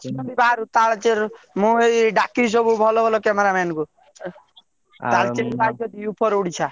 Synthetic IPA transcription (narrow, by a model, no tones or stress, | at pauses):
nɔbibaaɾut̪aɭt͡ʃeɾ | mũeɖakis̬ɔbubʱɔlobʱɔlokɛmeɾamɛnku | t̪alt͡ʃeɾpajt͡ʃʰɔt̪ijupʰɔɾuɽit͡ʃʰa